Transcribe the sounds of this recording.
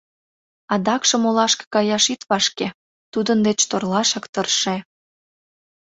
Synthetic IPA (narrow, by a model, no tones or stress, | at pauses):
ɑd̪ɑkʃɤ̆molɑʃke̥kɑjɑʃit̪βɑʃke | t̪ud̪ənd̪et͡ɕt̪orlɑʃɑkt̪ərʃe